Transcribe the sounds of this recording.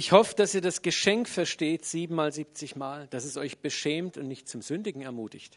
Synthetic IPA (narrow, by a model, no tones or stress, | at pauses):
ʔɪçhɔfəd̥asiːɐdasɡ̥əʃɛŋkfɛɐʃteːtz̥iːbm̩maːlziːp̚t͡sɪçmaːld̥asɛsʔɔʏçb̥əʃɛːmtʊntnɪçtt͡sʊmz̥ʏndɪɡŋ̩ɛɐmuːtɪçt